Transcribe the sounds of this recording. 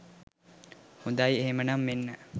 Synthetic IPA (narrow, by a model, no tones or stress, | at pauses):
hud̪ajeɦemənamːenːə